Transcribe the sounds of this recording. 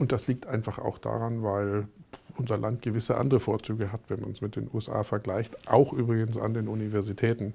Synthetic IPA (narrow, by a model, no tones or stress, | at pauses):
ʔʊnt̚d̥asliːk̚tʔaɪnfaχa̰ʊxd̥a̰ːʁanvaɪlʔʊnzɐlʔantɡ̥əvɪsəʔa̰ndəʁəfoːɐt͡syːɡəɦatv̥ɛnma̰nsmɪt̚d̥ḛːnʔuːɛsʔa̰ːfɛɐɡlaɪçtʔa̰ʊxʔyːbʁɪɡənsa̰ndeːnunivɛɐzitʰɛːtn̩